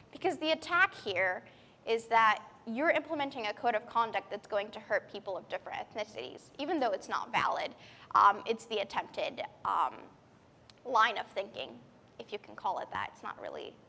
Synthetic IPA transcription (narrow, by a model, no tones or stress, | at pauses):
b̥ɨkʰʌzðiɨtʰækhiɹ | ʔɪzðət͡ʃə˞ɪ̃mpləmɛ̃ntɪ̃ŋɨkʰoʊɾʌv̥kʰɑ̃ndɨk̚t̚ðɨtsɡ̥oʊɪ̃ŋtʰɨhɜ˞t̚pʰipl̩ˠʌvdɪfɹɨ̰̃nɨθɪsɨ̰ɾḭz̥ivɨ̃nðoʊɨtsnə̰tvæ̰lˠɪdʔʌ̰̃mɨtsðiɨtʰɛ̃mp̚tɪdʌ̰̃m | lãɪ̃nʌv̥θɪ̃ŋkɪ̰̃ŋ | ɨfjɨkʰn̩kʰɔlˠə̰t̪̚ðæ̰tɨ̰tsnə̰t̚ɹɪ̰lˠḭ